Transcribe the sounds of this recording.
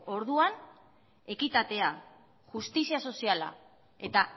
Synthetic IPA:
o̞ɾðuan | e̞kit̪at̪e̞a | ʝust̪isiaso̞siala̰ | e̞t̪a

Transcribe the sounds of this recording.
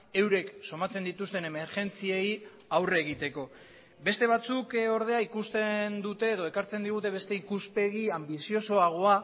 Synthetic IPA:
e̞wɾe̞kso̞mat͡se̞nd̪it̪ust̪e̞ne̞me̞ɾʝe̞nt͡siej | awre̞ɣ̞it̪e̞ko̞ | be̞st̪e̞β̞at͡suko̞ɾð̞e̞aikust̪e̞nd̪ut̪e̞ːðo̞e̞kaɾt͡se̞nd̪iɣ̞ut̪e̞βe̞st̪e̞ikuspe̞ɣiambisio̞so̞aɣ̞o̞a

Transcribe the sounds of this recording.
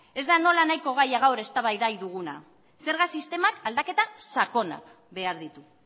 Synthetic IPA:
e̞zd̪ano̞lanajko̞ɣ̞ajaɣawɾe̞st̪aβajðajðuɣ̞una̰ | se̞ɾɣasist̪e̞makald̪ake̞t̪asako̞na̰k | be̞aɾðit̪u

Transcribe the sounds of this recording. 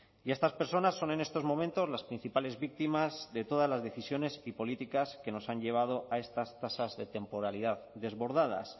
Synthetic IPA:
ie̞st̪aspe̞ɾso̞nasːo̞ne̞ne̞st̪o̞zmõ̞mẽnt̪o̞zlaspɾin̟θipale̞zβik̚t̪imazðe̞t̪o̞ð̞azlazðe̞θisjo̞ne̞sipo̞lit̪ikaske̞no̞saɲʎe̞β̞að̞o̞ʔae̞st̪ast̪asazðe̞t̪e̞mpo̞ɾaliðaððe̞zβo̞ɾð̞að̞a̰s

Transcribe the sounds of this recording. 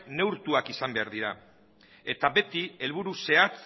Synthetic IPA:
ne̞wɾt̪uakisambe̞aɾðiɾa | e̞t̪abe̞t̪ie̞lβuɾuse̞at͡s

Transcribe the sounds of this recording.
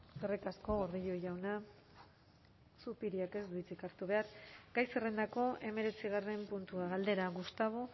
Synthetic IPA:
serikasko̞ɣoɾðiʎo̞ʝawna | supiɾiake̞zit͡sikaɾt̪uβ̞e̞aɾɡ̥ajsere̞nd̪ako̞ʔe̞me̞ɾe̞t͡siɣare̞mpunt̪uaɣald̪e̞ɾaɣust̪aβ̞o

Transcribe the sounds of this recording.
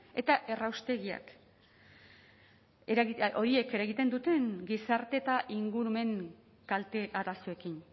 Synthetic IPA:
e̞t̪aʔe̞rawst̪e̞ɣia̰k | ɾiʔo̞ɾie̞ke̞ɾaeɣit̪e̞nd̪ut̪e̞ŋɡisaɾt̪e̞t̪aʔiŋɡuɾume̞ŋ | kalt̪eaɾaso̞e̞kin

